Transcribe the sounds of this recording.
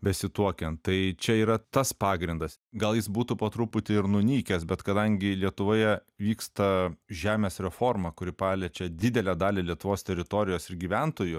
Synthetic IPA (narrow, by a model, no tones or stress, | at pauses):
bʲɛsʲɪt̪uɔkʲɛntt̪ɐɪt͡ʃʲɛiːɾɐt̪ɐspɑːɡɾʲɪnd̪ɐsɡɐlˠjɪsbuːt̪ʊpɐt̪ɾuːpʊt̪ʲɪɪɾnʊnʲiːkʲɛsbʲɛt̪kɐd̪ɐŋʲɡʲɪlʲiɛt̪ʊʋoːjɛʋʲiːkst̪ɐʒʲæːmʲeːsɾʲɛfoːrmɐkʊɾʲɪpɑːlʲɛt͡ʃʲɛd̪ʲɪd̪ʲɛlʲæːd̪ɑːlʲelʲiɛt̪ʊʋoːst̪ʲɛɾʲɪt̪oːɾʲɪjoːsɪɾɡʲiːʋʲænt̪oːjʊ